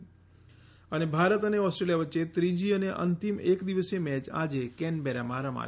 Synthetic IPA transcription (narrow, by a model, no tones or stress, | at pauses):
ənebʱaɾət̪əneɔsʈɾelijaʋətːʃet̪ɾid͡ʒiəneʔə̰nt̪imekd̪iʋəsemɛt͡ʃa̰d͡ʒekɛnbeɾamãɾəma̰